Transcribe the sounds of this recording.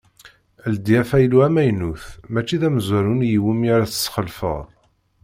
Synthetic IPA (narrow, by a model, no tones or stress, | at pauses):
æld̪iæfæjluæmæjnuθmæt͡ʃːiðæmzæɾunjiwimiaɾæθə̥sχəlfə̰ðˤ